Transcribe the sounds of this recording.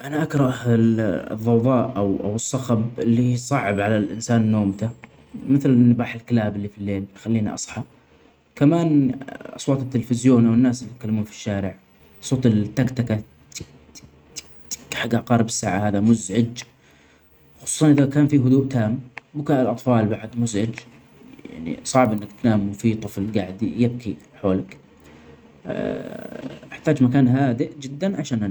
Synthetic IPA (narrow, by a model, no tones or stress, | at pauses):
ʔanaʔakɾˤɑʔ | ðˤːɑwðˤɑːʔʔawʔa̰wsˤːɑxɑbɪlːihsˤɑʕɪbʕalalʔɪnsaːnnːoːmt̪a | mɪθlɪnːabaːħɪlkɪlaːbɪlːifilːeːlxalːiːnḭʔɑ̰sˤħɑ | kamaːnʔɑ̰sˤwɑːt̪ˤɪt̪ːɪlfɪzjoːnʔawɪnːaːsɪijɪt̪̚kalːamuːnfi̥ʃːaːɾɪʕ | sˤːoːt̪ɪlt̪ːakt̪aka | ħaɡːaʕqɑːɾˤbɪsːaːʕahaːðamʊzʕɪd͡ʒ | xɑsˤuːsˤɑnʔɪðakaːnfiɦʊd̪uːʔt̪ʰaːmbʊkaʔɪlʔɑt̪ˤfɑːlbaʕd̪mʊzʕɪd͡ʒ | jja̰ʕnḭsˤɑʕbʔɪnːakt̪naːmʊfiːt̪ˤɨflɡaʕɪd̪jɪb̚kʰi | ħoːlak | ʔɪħt̪aːd͡ʒmakaːnɦaːd̪ɪʔd͡ʒɪd̪ːanʕaʃaːnʔana